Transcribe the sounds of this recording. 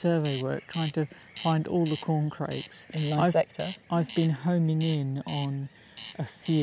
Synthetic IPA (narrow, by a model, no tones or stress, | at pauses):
sɜːveɪwɜ̰ˑ˞k̚tʰɹ̥aɪɪ̃ŋtʰə | fãɪ̃ndɔːlˠðəkʰɔːnkʰɹ̥ḛɪksɪ̃nmaɪsɛk̚tʰəʔaɪvbĩnhə̃ʊ̃mɪ̃ŋɪ̃nə̃n | ʔəfjɪ